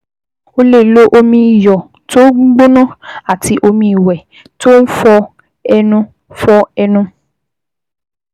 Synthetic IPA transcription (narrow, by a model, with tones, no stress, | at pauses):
o˦le˦˨lo˦ʔo˦mĩ˧˨jɔ˨ | to˦ɡ͡bɡ͡bo˦nũ˦a˨ti˧ʔo˧mĩ˧˨wɛ˨ | to˦n̩˦fɔ˧ | ɛ˦nũ˦ | fɔ˧ɛ˦nũ˦